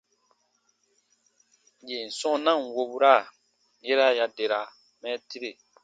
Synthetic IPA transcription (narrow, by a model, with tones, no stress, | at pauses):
je˨n˨sɔ̃˦nã˦ŋ˨wo˦bu˦ɾa˦˨ | je˦ɾa˦˨ja˨de˨ɾa˨ | mɛ˦ti˦ɾe˨